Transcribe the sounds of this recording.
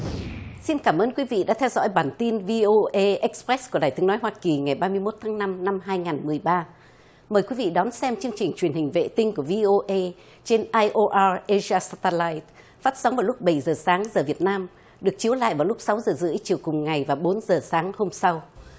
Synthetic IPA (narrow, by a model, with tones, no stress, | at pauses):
si˧nkaː˧˩mʔəː˧nkwi˨˦vḭ˧˨ɗa̰ː˧˥t̪ʰɛ˧wzɔ̰˧˥jɓaː˨˩nt̪i˧nvi˧ʔo˧ʔe˧ʔɛ˦˥k̚spɾɛ˦˥sku˧˩əɗaː˨˩jt̪ʰəŋnɔ˨˦jɦwaː˧ki˨˩ŋa˨˩jɓaː˧mɨ˧əjmo˦˥t̚t̪ʰaː˨˦ŋna˧mna˧mɦaː˧jŋaː˨˩nmɨ˨˩əjɓaː˧ | məː˨˩jkwi˨˦vḭ˧˨ɗɔ˨˦nsɛ˧mt͡ɕɨ˧əŋt͡ɕï˨˩ŋ̟t͡ɕwi˨˩ənhï˨˩ŋ̟vḛ˧˨t̪i˧ŋ̟ku˧˩əvi˧ʔo˧ʔə˧ | t͡ɕe˧nʔaː˧jʔo˧ʔaː˧ʔə˧zi˧aː˧saː˧t̪ə˧la˧jt̚ | faː˦˥t̚sa˨˦wŋ͡mvaː˨˩lʊ˦˥k͡p̚ɓə˧˩jzəː˨˩saː˨˦ŋzəː˨˩vi˨˩ət̚naː˧m | ɗɨ˨˩ək̚t͡ɕi˨˦əwla̰ː˧˨jvaː˨˩wlʊ˦˥k͡p̚sa˨˦wzəː˨˩zɨ̰˧˥ə˦jt͡ɕi˨˩əwkʊ˨˩ŋ͡mŋa˨˩jvaː˨˩ɓo˨˦nzəː˨˩saː˨˦ŋho˧msa˧w